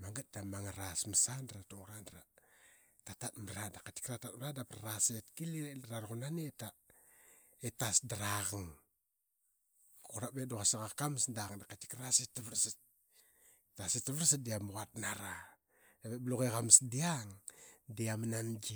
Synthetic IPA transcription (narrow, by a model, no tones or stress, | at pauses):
maŋɡat̚d̥amaŋaɾasməsandɾatoɾandɾa | tatat̚maɾadakati̥kɾatat̚mɾadaprasetkilieɾaɾoɣunaneta | etasdaɾaɣaŋ | kuɾabedoɣasiɣakamsdaɣŋdakati̥kɾasetaβɾsit̚ | tasitaβɾsit̚diamuɣat̚naɾa | daβebloɣeɣamsdiaŋdiamanand͡ʒi